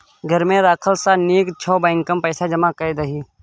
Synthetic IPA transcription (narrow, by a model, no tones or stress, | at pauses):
ɡʱəɾmẽd̪aːkʰəlsaneːkt͡ʃʰɔːbãːŋkəmpəːsad͡ʒəmakəid̪əɦiː